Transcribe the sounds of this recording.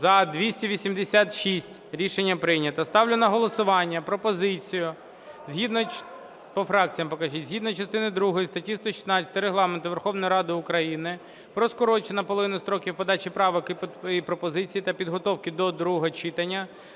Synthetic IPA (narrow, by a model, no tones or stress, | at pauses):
zɐd̪ʋʲisʲtʲiʋʲisʲimd̪esʲat̪ʃisʲtʲɾʲiʃenʲːɐpɾɪnʲɐt̪ɐst̪ɑwlʲɪnɐɦɔlˠɔsʊʋɑnʲːɐpɾɔpɔzɪt͡sʲijʊ | zʲɦid̪nɔ | pɔfɾɑk̚t͡sʲijɐmpɔkɐʒitʲzʲɦid̪nɔt͡ʃɐst̪ɪnɪd̪ɾuɦɔjist̪ɐtʲist̪ɔʃʲi̥snɑt͡sʲɐ̥t̪ɐɪɾeɦlˠɑment̪ʊʋe̞rxɔʋnɔjiɾɑd̪ɪʊkɾɐjinɪ | pɾɔskɔɾɔt͡ʃenɐpɔlˠɔʋɪnʊst̪ɾɔkʲiwpɔd̪ɑt͡ʃipɾɑʋɔkɪpɾɔpɔzɪt͡sʲijit̪ɐpʲid̪ɦɔt̪ɔwkɪd̪ɔd̪ɾuɦɔt͡ʃɪt̪ɐnʲːɐ